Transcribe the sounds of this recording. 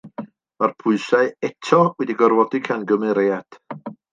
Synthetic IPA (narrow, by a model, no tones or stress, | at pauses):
marpʰʊɨsaɨɛtʰɔwɛdiɡɔrvɔdikʰanɡəmɛɾead̥